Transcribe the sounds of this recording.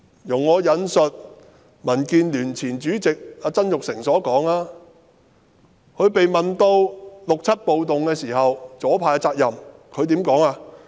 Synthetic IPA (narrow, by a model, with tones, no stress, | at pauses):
jʊ˨˩ŋːɔː˨˧jɐ˨˧nsɵ˨t̚ | mɐ˨˩nkiː˧nlyː˨˩nt͡sʰiː˨˩nt͡ʃyː˨˥t͡sɪ˨k̚aː˧t͡sɐ˥njʊ˨k̚sɪ˨˩ŋsɔː˨˥kɔː˨˥ŋaː˧ | hʰɵ˨˧ɥpe˨jmɐ˨nt̪o˧wlʊ˨k̚t͡sʰɐ˥t̚po˨wt̪ʊ˨ŋkɛː˧siː˨˩ɦɐ˨wt͡sɔː˨˥pʰaː˧ja˧t͡saː˧k̚jɐ˨mkʰɵ˨˧ɥt̪̬iː˨˥mkɔː˨˥ŋaː˧